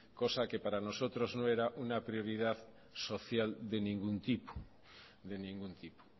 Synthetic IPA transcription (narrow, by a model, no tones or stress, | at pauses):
ko̞sake̞paɾano̞so̞t̪ɾo̞znoe̞ɾaʔunapɾio̞ɾið̞að | so̞θjald̪e̞nĩŋɡunt̪ipo̥ | d̪e̞nĩŋɡunt̪ipo̥